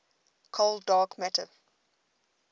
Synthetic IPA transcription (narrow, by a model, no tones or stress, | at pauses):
kʰoldɑːkmætə